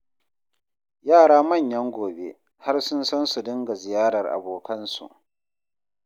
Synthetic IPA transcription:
jaː˦˨ɽaː˦mɐ˦˨ɲjɐ˦ŋɡʷoː˨bḛ˦ | ha˦rsʊ˦nsɐ˦nsu˨dɪ˦ŋɡa˨zɪ˨jaː˦ɽɐ˨rʔa̰˨boː˨kʰɐ˦nsṵ˨ʔ

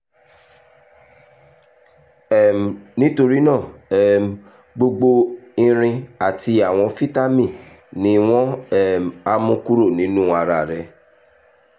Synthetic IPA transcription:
ɛ˦˨m˨nĩ˦to˧ɾi˦nã˦˨ɛ˨m˨ | ɡ͡bo˧ɡ͡bo˧i˧ɾ̃ĩ˧a˨ti˧a˨w̃ɔ̃˧fi˦ta˦mĩ˦˨ | nĩ˨˦w̃ɔ̃˦ɛ˦˨m˨a˧mũ˧˦ku˦ɾo˦˨nĩ˨˦nũ˦a˧ɾa˧˨ɾɛ˧

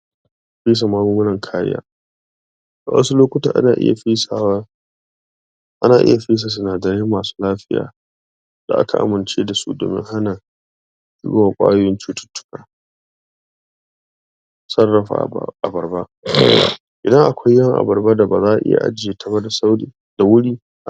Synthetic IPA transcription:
ɸiː˦s̬a˨maː˦bu˦ɡʊ˦lɐ˨ŋkʰaː˦jɪ̰˦ja̰ː˦ | ʔa˨wɐ̰˦su˦loː˦kʷʊ˦ta̰˨ʔa̰˦naː˨ʔɪ̰˦ja̰˨ɸi˦sa˨wa˦ | ʔa˦naː˨ʔɪ̰˦ja˨ɸi˦s̬a˨s̬ʊ˨naː˨dɐ˨ɾɪ˦mːaː˨su̥ː˦laː˦ɸɪ˦ja̰ː˨ | d̥a̰˨ʔa̰˦kʰa̰˨ʔa̰˨mɪ˨nt͡ʃeː˦da˨sṵ˦do̰ː˨mɪ̰˦ŋɦa˦naː˨˦ | kɪ̰˦ɡo˦waː˨kʷʼa̰ː˦jʊ˦jɪ˦nt͡ʃuː˦tʊ̥˦tːʊ̥˦kaː˨ | sɐ˦rːɐ˨ɸa̰˨ʔa̰˨bɐ˨rba˦ʔ | ʔɪ˨dɐ˦ŋʔa˨kʷʰa˦jːɐ˦˨ŋʔa̰˨bɐ˨rba˦da˨ba̰˨zaː˦ʔa˨ʔɪ̰˦ja̰˨ʔa̰˦d͡ʒɪ˦je˨tʰɐ˦ba˦da˨sa˦wɽiː˨ | d̥a˨wʊ˦ɽiː˦

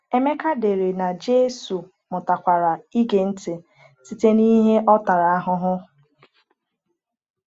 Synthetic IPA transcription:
e˦me˦ka˦de˨ɾe˨na˨d͡ʒe˦su˨ | mʊ˨ta˨kʷa˨ɾa˨i˦ɡe˨n̩˦tɪ˨ | si˦te˦ni˦ɦe˦ʔɔ˦ta˨ɾa˨a˦ɦʊ˦ɦʊ˦

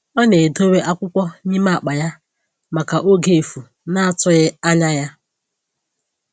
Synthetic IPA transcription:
ɔ˦ne˨do˦we˦ʔa˦kʷʊ˦kʷɔ˦ɲi˦ma˦a˨k͡pa˨ja˦ | ma˨ka˨ʔo˦ɡe˨fu˨ | na˦a˦˨tʊ˦ɣɪ˦a˦ɲa˦ja˦

